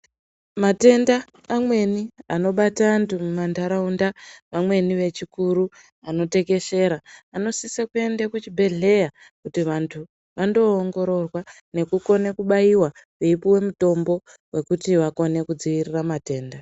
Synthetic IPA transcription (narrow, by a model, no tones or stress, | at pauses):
mate̞ndaː | mwe̞niano̞ɓataːntʰumumandaɾaundaʋamwe̞niʋe̞t͡ʃikuɾu | ano̞te̞ke̞ʃe̞ɾaːno̞sisekue̞ndakut͡ʃibʱe̞ɮe̞ja | kutiʋantʰu | ʋando̞ːŋɡo̞ɾo̞rwa | ne̞kuko̞nekuɓaiwa | weipiwe̞muto̞mbo̞ | we̞kutiʋako̞ne̞kud͡ziʋiriramate̞ːnda